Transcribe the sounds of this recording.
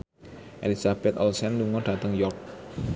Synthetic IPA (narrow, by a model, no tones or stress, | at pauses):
ʔḛlisab̥ɛt̪ɔlsɛnluŋɔɖ̥a̤t̪əŋjɔk̚